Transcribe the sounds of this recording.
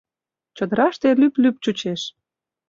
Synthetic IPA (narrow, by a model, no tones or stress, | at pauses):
t͡ɕə̆d̪ə̆ɾɑʃt̪elyplyp̚t͡ɕut͡ɕeʃ